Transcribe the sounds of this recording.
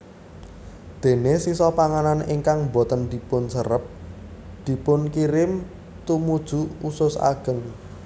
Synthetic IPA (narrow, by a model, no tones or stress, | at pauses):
d̪̥e̤nesisɔpaŋananɪŋkaŋbo̤t̪ənd̪̥i̤pʊnsəɾəp̚ | d̪̥i̤pʊnkiɾɪm | t̪umud̥ʒ̥ṳusʊsa̰ɡ̥ə̤ŋ